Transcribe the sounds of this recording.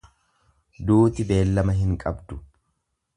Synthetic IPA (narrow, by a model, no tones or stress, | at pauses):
d̪uːt̪ɪbe̞ːlːɐmɐɦɪŋkʼɐbd̪ʊ